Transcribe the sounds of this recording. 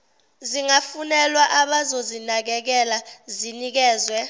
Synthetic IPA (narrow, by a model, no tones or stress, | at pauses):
ziŋafunɛlwaʔaɓazozinak̬ɛk̬ɛlazinik̬ɛːzwɛ